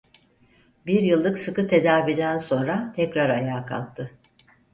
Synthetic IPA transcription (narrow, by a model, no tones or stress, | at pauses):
biɾjɯlˠːɯksɯkɯt̪ʰe̞d̪aːvid̪ænso̞nɾat̪ʰɛcɾaɾajaːkʰa̰lˠt̪ʰːɯ